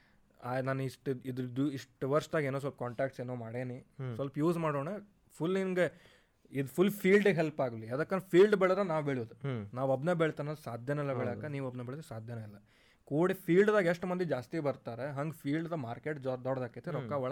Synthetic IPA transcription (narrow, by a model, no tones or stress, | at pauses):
aːnaːnuiʂʈid̪ɾud̪uiʂʈʋɐɾsʈ̪aːɡeːnos̬ʋɐlpɐkaːɳʈaːk̚ʈseːnoːmaːɽeːnissʋɐlpɐjuːsmaːɽoːɳe | pʰulːiŋɡe | id̪pʰulːpʰiːlɖɦelpaːɡliɐd̪ɐkːɐnɾɐpʰiːlɖbɛɭɐd̪ɾenaːʋbeɭʋod̪unaːʋɐbnebeɭt̪anɐlsaːd̪ʱjɐnɐilːɐbeɭaːkːaniːʋɐbnebeːɭt̪saːd̪ʱjɐnɐilːɐ | koːɽipʰiːlɖd̪aːɡeʂʈmɐnd̪id͡ʒaːst̪ibɐɾt̪aːɾeɦɐŋɡpʰiːlɖd̪ɐmaːɾke̞ːʈd̪ɔːɽd̪aːkːet̪ːeɾɔkːaʋɔɭ